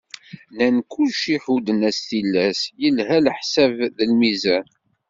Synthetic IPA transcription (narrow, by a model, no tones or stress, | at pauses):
nænkːʊlʃiħud̪ənæsθilːæsjəlɦæləħsævðəlmizæn